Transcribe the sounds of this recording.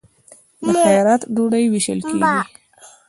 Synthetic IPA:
d̪əxajɑɾat̪ɖoɽajwiʃə̰lkeɡi

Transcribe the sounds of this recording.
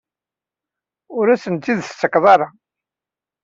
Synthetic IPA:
ʊɾæsənt̪ːiðst͡s̪ːəkðˤɑɾˤɑ

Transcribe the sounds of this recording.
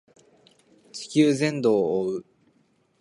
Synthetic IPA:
t͡ɕɨ̥kʲɨːzẽ̞nd̪oːɯ

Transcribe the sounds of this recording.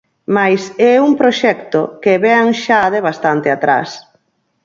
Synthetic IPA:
majsɛuŋpɾoʃɛkt̪okeβɛaŋʃaðeβast̪ant̪eat̪ɾa̰s

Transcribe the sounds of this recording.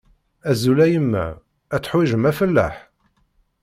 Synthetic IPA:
æzulæjəmːæ̰ː | t͡sːħwiʒəmæfəlːæ̰ħ

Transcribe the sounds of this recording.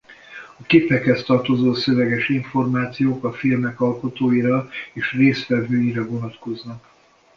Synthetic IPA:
ɒkipːɛkhɛst̪ɒrt̪o̞zoːsø̞vɛɡɛʃiɱfo̞rmaːt̪sijoːkɒfilmɛkɒlko̞t̪oːjiɾɒeːʃreːsʋɛvøːjiɾɛvo̞nɒt̪ko̞znɒk

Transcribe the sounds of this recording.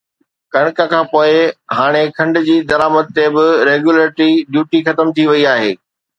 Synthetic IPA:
kɐɽ̃kəkʰãːpoːɪɦaːɽ̃ekʰɐ̃ɳɖʊ̆d͡ʑiːd̪ɐɾaːmət̪̚ːebɪɾeːɡjuləɾɪʈɾiɖjuːʈixɐt̪əmt̪ʰiʋɐiaːɦḛː

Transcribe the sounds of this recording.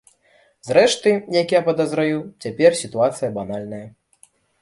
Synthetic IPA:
zrɛʂt̪ɨjakjapɐd̪ɐzɾajut͡sʲapʲɛrsʲit̪uat̪sɨjɐbanalʲnɐjɐ

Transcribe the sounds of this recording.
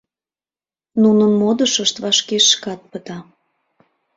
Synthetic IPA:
nunənmod̪əʃəʃt̪vɑʃkeʃːkɑt̪̚pət̪ɑ

